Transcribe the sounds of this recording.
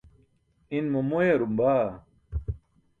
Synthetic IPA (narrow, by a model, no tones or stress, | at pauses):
inmumueɾumbaː